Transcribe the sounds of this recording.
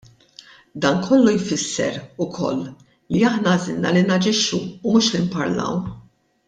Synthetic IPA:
d̪ɐːnkʰɔlːujfɪsːɛ̰ɾʊkʰɔ̰lː | liɐħnɐːzɪ̰lnɐlinɐd͡ʒɪʃːuːmuːʃlimpɐɾlɐ̰w

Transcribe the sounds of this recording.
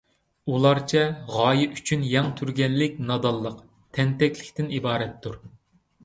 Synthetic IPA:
ulˠɑɾt͡ʃʰɛʁɑːjɪyt͡ʃʰynjɑŋt̪ʰyɾɡʲɛnlɪkʲnɑd̪ɑlˠːəq | t̪ʰɛnt̪ɛkʲʰlɪkʲt̪ɪnibɑːɾɛt̪ʰːuɾ

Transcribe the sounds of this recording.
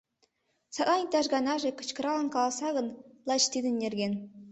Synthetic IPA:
sɑʔɑnʲt̪ɑʐɡɑnɑʐɘ̆kɤ̥̆t͡ɕkɤ̆ɾɑlˠɤ̆nkɑlˠɑsɑɣɤ̆nlˠɑt͡ɕt̪ʲid̪ɘ̆nʲːerʲɡʲen

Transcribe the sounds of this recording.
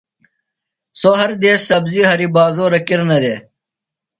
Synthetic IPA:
soːɦɐɾd̪eːsːɐbziːɦɐɾibaːzoːɾɐkiɾnɐd̪eː

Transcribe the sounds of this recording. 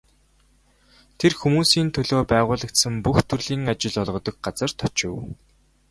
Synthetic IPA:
t̪ʰerxumuːsiːnt̪ʰɵɮoːpæːʁʊːɮə̆kt̪sə̆mpuxt̪ʰɵrɮiːŋat͡ɕɪ̆ɮɔɮʁɞ̆t̪ɞ̆k̚ɢat͡sə̆r̥t̪ʰɔ̥t͡ɕɪ̆w

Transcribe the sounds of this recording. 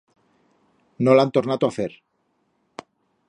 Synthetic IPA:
nolant̪oɾnat̪oaθeɾ

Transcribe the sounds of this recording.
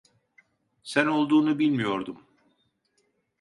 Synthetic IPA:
sæno̞lˠd̪uːnubilʲmijo̞ɾd̪um

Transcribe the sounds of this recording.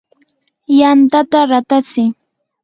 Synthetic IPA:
jant̪at̪aɾat̪at͡sɪ

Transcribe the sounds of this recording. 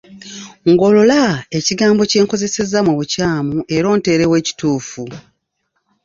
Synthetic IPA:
ŋɡo̞lolaeciɡaːmbo̞ce̞ːŋko̞ze̞se̞zːamweβucaːmuʔe̞ɾo̞ːnte̞ːɾe̞we̞ːci̥tuːfu

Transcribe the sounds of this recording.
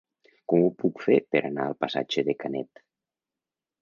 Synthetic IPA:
kɔmupukfepeɾʔanaəlˠpasa̰d͡ʒeðekanɛ̰t̪

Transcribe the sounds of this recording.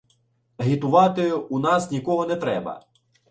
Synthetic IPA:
ɐɦʲit̪ʊʋɑt̪ɪunɑsnʲikɔɦɔnɛt̪ɾɛbɐ̰

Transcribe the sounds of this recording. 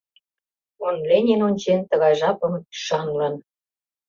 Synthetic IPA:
onlenʲenonʲt͡ɕent̪ə̆ɣɑjʒɑpə̆mt̪y̥ʃɑnlɤ̆n

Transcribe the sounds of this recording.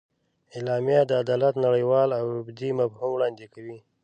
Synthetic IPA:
ɪlɑmijad̪əad̪ɑlat̪naɽəjwɑlawʊbd̪imafhumwɽɑnd̪ekawi

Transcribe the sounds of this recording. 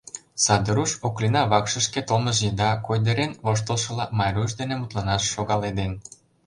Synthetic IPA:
sɑd̪əɾuʃoklinɑβɑkʃə̆ʃket̪oməʒjed̪ɑkojd̪eɾenvoʃ̬t̪əlˠʃɤ̆lɑmɑjɾuʃ̬d̪enemut̪lɑnɑʃːoɣɑled̪en

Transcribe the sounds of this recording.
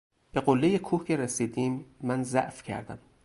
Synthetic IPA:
b̥e̞ɣolːejekʰuːhcʰeɾesiːd̪iːmːænzæ̰ʔfcʰæ̰ɾd̪æ̰m

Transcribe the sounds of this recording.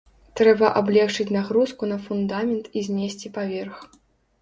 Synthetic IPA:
t̪ɾɛbɐʔablʲɛxt͡ʂɨt͡sʲnaɣɾuskunɐfund̪amʲɛnt̪izʲnʲesʲt͡sʲipavʲɛrx

